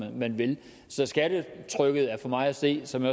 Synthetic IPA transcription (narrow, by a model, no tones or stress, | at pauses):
mænʋe̝l | sɒ̽sɡ̥æɾ̥ət͡sʰʁœɡ̥əð̩ˠæɐfɒ̽mɑ̈ɪæse̝̰ːsɒ̽mj